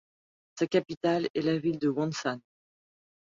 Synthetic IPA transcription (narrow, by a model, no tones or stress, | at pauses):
sakapit̪alɛlavild̪əwɑ̃nsan